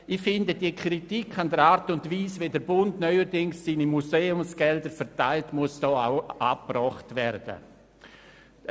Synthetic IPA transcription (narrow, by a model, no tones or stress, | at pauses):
ɪxfɪndədiəkɾitikʰandəɾaːɾtʊntviːsveːdɛɾbʊndnœʏəɾdɪŋsːiːnimuseːʊmsɡ̥ɛldəɾfɛɾtaɪltmuəsd̥ɔːaʊʔa̰ːpprɔχtvɛɾd̥ə̰